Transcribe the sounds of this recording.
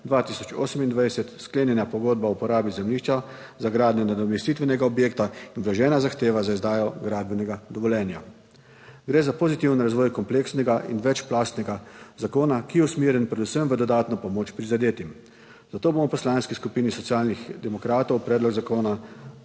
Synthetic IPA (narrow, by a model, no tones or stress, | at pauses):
d̪ʋaːt̪isɔ̥t͡ʃo̰ːsəmind̪ʋajsɛt̪skleːnjɛnjapɔɡoːd̪baupɔɾaːbizɛmliːʃt͡ʃa | zaɡɾaːd̪nɔnad̪ɔmɛst̪it̪ʋɛnɛɡaɔbjeːkt̪ainʋlaʒɛːnazaxt̪eːʋazaizd̪aːjɔɡɾaːd̪bɛnɛɡad̪ɔʋɔlʲjɛːnja | ɡɾeːzapozit̪iwnɾazʋɔːjkɔmpleːksnɛɡaʔḭnʋɛt͡ʃplaːst̪nɛɡazakoːnakijɛusmeːɾjɛnpɾɛd̪usəmʋəd̪ɔd̪aːt̪nɔpɔmoːt͡ʃpɾizad̪eːt̪im | z̥at̪oːbomɔpɔslanskiskupiːnisɔt̪siaːlnixd̪ɛmɔkɾaːt̪ɔwpɾɛːd̪lɔɡzakoːna